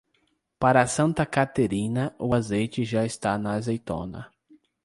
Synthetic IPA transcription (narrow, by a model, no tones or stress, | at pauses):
paɾɐsɐ̃nt̪ɐkat̪eɾĩnɐʔʊazejt͡ʃɪʒaɪst̪anɐzejt̪õ̰nɐ̰